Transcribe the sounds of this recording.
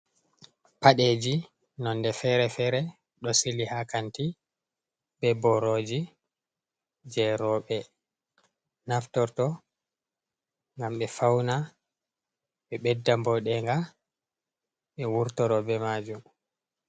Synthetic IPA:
paɗed͡ʒi | nɔnːdɛfɛɾɛfɛːɾɛ | ɗɔsilihakanti | bɛbɔɾod͡ʒi | d͡ʒɛɾɔɓɛ | naftɔɾtɔ | ŋɡamɓɛfawna | ɓɛɓɛdːambɔɗɛŋɡa | ɓɛwuɾtɔɾɔbɛmaːd͡ʒum

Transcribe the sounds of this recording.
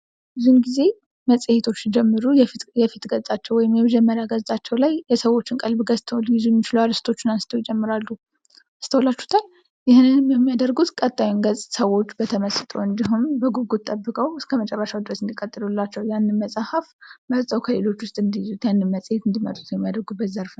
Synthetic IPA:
ɨzunɡize̞ | məsʼhet̪ʰo̞t͡ʃːd͡ʒɛmːɨɾuj̪jɛfit̪ɡəzsʼat͡ʃːɛwɔjɪmjɛməd͡ʒɛmːəɾjaɡəztʼat͡ʃːɛwlajːɛsəwo̞t͡ʃːɪnkʼəlbɡəzt̪ʰəwljɪzujɛmːit͡ʃɪlualɨst̪ʰo̞t͡ʃːɪnast̪ʰəwjid͡ʒɛmːɨɾalːu | ast̪ʰəwolat͡ʃːu̥t̪ʰal | jɪhnɨnjmːjɛmːijad̪əɾɡut̪kʼət̪ʼːajunɡəzʼsəwo̞t͡ʃːbət̪ʰəməsɨt̪ʼoɨnd̪iɦumbəɡuɡut̪t̪ʼːəbːɨkʼəwɨskʰəmət͡ʃʼɛrːəʃawd̪ɨɾəsɨnd̪ikʼət̪ʼːɨlulːat͡ʃːɛwjanːɨnməsʼahafməzt̪ʼəwkʰəle̞lo̞t͡ʃːwʊst̪ʼɨnd̪ijizut̪janːɨnməsʼhet̪ɨnd̪imə̰t̪ʼu̥t̪jɛmːijad̪əɾɡubət̪zəɾfn

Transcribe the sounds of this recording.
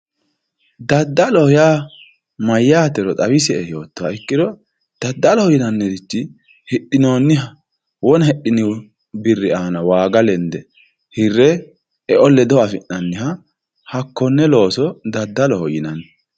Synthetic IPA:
d̪ɐd̪ːɐlɔhɔjaː | mɐjːaːt̪ɛɾɔt̪ʼɐwɪsɛɛjo̞ːt̪ːɔwaɪkːɪd̪ɔ | d̪̥ɐd̪ːɐlɔhɔjɪnɐnːɛd̪ɪt͡ʃːɪ | hɪʔɪno̞ːnːɪ | wɔnhɛɗɪnɪ | bɪrːɪaːnɐwaːɡɐlɛnd̪ɛ | hɪrːɛ | ɛʔɔlːɛd̪ɔwɐfɪnːɐnːɪhɐ | hɐkːɔnːɛlo̞ːsɔd̪ɐd̪ːɐlɔhɔjɪnɐnːɛ

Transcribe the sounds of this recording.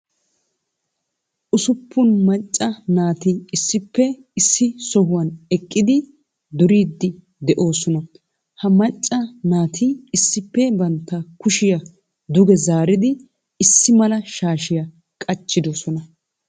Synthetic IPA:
ʔʊsʊpːʊnmɐt͡ʃʼːɐnaːt̪ɪɪsːɪpːɛ | ɪsːɪsɔhʊwɐnɛkʼːɪd̪ɪ | d̪ʊɾiːd̪ːɪ | d̪ɛʔoːsɔnɐ | hɐmɐt͡ʃʼːɐnaːt̪ʰɪɪsːɪpːɛbɐnt̪ːɐkʊʃɪjɐ | d̪ʊɡɛzaːɾɪd̪ɪ | ɪsːɪmɐlɐʃaːʃɪjɐ | kʼɐt͡ʃːɪd̪osɔnɐ

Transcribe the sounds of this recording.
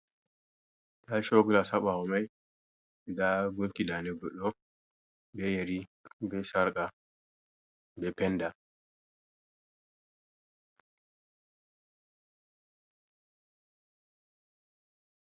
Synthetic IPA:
daʃoɡulasaɓaɔmaj | daɡuŋkidanɛɡɔɗːɔ | bɛjeɾibɛsaɾkʼa | bɛpɛnda

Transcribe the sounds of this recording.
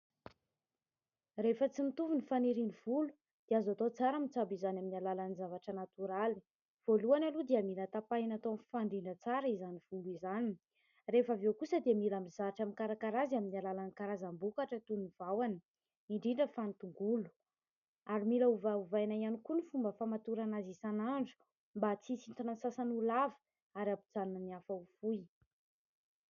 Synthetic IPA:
refət͡simit̪uvunifaniɾinivulu̥ | d̪̥eazat̪ot͡saɾamit͡sabizanaminalalanizavaʈ͡ʂənat̪uɾali̥ | v̥oluanalud̪eamilət̪apajnat̪omfaɳɖ͡ʐiɳɖ͡ʐət͡saɾizaniv̥uluizani | refavewkusəd̪emilamizaʈ͡ʂamikaɾakaɾaziaminalalanikaɾazambukaʈ͡ʂət̪unuv̥awanə | iɳɖ͡ʐiɳɖ͡ʐəfant̪uŋɡulu̥ | aɾimilauvauvajnaianikunifumbəfamat̪uɾanazisanaɳɖ͡ʐu̥ | mbat͡sisint̪anasasanulavi̥ | aɾabud͡zanunəniafəufuj

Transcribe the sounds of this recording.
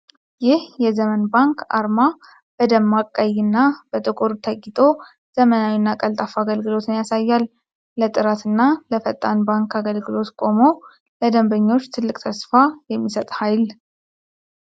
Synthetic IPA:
jɪhjɛzəmənbaŋkʰa̰ɾma | b̥əd̪əmːakʼːəjɨnːabət̪ʼɨkʼuɾut̪ʰəɡʼɪt̪ʼo̞ | z̥əmənawinːakʼəlt̪ʼafaɡəlɡɨlo̞t̪ɨnjasajːal | lət̪ʼɨɾat̪ɨnːaləfət̪ʼːanbaŋkaɡəlɡɨlo̞t̪kʼo̞mo̞ | ləd̪əmbəɲːo̞t͡ʃːt̪ʰɨlːɨkʼt̪ʰəsfajɛmːisət̪ʼhajl

